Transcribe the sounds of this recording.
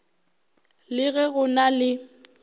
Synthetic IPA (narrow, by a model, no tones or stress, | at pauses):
lɪɣɛɣʊnalɪ